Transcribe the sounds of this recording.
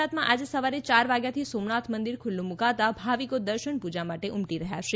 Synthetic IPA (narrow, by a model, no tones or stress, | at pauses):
at̪mãʔad͡ʒesəʋaɾet͡ʃaɾʋaɡjat̪ʰisomnat̪ʰmənd̪iɾkʰʊlːũmukaʋt̪abʱaʋikod̪əɾʃəɳpud͡ʒamaʈeʔumʈiɾəɦja̰ʃe